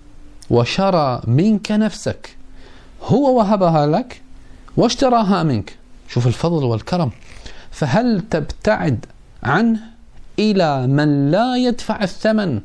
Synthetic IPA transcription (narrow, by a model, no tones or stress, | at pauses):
waʃɑɾˤɑːmɪnknafsak | hʊwːawaɦabaɦalak | wɪʃt̪ɑɾˤɑːɦamɪnkʃuːfɪlfɑðˤlwɪlkɑɾˤɑmfaɦalt̪ɪbt̪aʕɪd̪ | ʕanh | ʔɪlamanlaːjad̪faʕɪθːaman